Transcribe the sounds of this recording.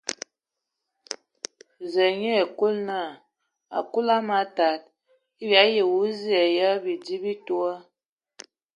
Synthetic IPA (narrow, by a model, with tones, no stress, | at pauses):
ze˨ɲe˦e˨ku˦lna˦˨ | a̰˨ku˦la˦ma˨ta˨t̚ | i˦bja˨˦je˨wu˨˦zi˦ɛ˨jə˦bi˨di˦bi˦tu˦ə˦